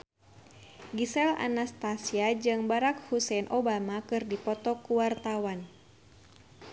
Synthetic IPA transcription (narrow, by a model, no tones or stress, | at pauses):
ɡisɛla̰nast̪asiad͡ʒɨŋbaɾak̚husɛnʔɔbamakɨrdipɔt̪ɔkuwart̪awan